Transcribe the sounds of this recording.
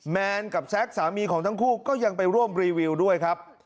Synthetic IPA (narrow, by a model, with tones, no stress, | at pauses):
mɛː˧nka˨˩p̚sɛ˦˥k̚saː˩˦miː˧kʰɔː˩˦ŋt̪ʰa˦˥ŋkʰuː˥˩kɔː˥˩ja˧ŋpa˧jɾu˥˩əmɾiː˧wi˧wdu˥˩əjkʰɾa˦˥p̚